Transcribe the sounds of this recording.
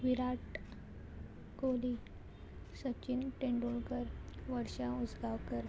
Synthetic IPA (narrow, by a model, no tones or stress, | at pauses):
ʋiɾaʈ | koli | sət͡ɕinʈẽɳɖulkəɾʋəɾɕaud͡zɡawkəɾ